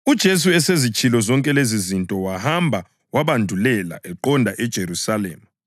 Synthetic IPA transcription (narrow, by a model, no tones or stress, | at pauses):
ud̥ʒ̥ʱes̬uɛsezit͡ʃʼilɔzɔŋkʼɛlezizintʼɔwahambʱa | waβandʱulɛla̰ʔɛǃɔndʱaʔɛd̥ʒ̥ʱeɾusalḛːmu